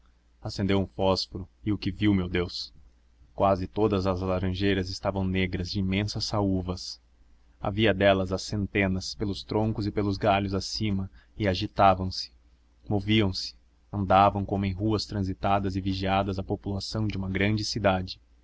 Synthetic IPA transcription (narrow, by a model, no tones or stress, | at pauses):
asẽnd̪ewũfɔsfoɾʊɪʊkɪviwmewd̪ews | kwazɪt̪od̪ɐzɐzalaɾɐ̃ʒejɾɐzɪst̪avɐ̃w̃neɡɾɐzd͡ʒɪimẽsɐsauvɐs | a̰viɐd̪ɛlɐzɐsẽnt̪ẽnɐspelʊst̪ɾõŋkʊzɪpelʊzɡaʎʊzasĩmɐɪaʒit̪avɐ̃w̃sɪ̥ | moviɐ̃w̃sɪ̥ | ɐ̃nd̪avɐ̃w̃kõmʊẽj̃ɦuɐst̪ɾɐ̃zit̪ad̪ɐzɪviʒiad̪ɐzɐpopulasɐ̃w̃d͡ʒɪũmɐɡɾɐ̃nd͡ʒɪsid̪ad͡ʒɪ